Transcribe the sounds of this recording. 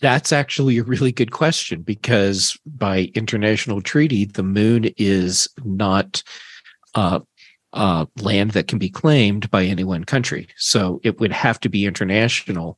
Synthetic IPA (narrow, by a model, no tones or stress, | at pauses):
ðætsæk̚t͡ʃul̩ˠiɨɹɪlˠiɡʊd̚kʰw̥ɛst͡ʃɨ̃nbɨkʰʌzb̥aɪʔɪ̃ntʰə˞næʃn̩l̩ˠtʰɹ̥iɾiðɨmʉ̃nɪznət | ʔlæ̃nðɨt̚kʰn̩bikʰl̥ẽɪ̃mbaɪɛniwʌ̃nkʰʌ̃nt͡ʃɹ̥ḭsoʊʔɪt̚wɨd̚hæftɨbiɪ̃ntʰə˞næʃnl̩ˠ